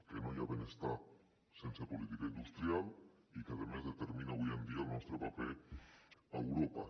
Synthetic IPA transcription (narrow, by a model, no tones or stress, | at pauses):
kenojaβenest̪a | sensepolit̪ikaind̪ust̪ɾial | ikaðemezðet̪eɾminaβujend̪ialnɔst̪ɾepape | ewɾopa̰